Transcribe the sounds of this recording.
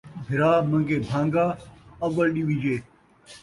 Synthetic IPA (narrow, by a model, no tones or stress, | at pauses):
bʱɪɾaːmɐ̃ŋɡeːbʱãːŋɡaːɐʋəlɗiʋĩd͡ʒeː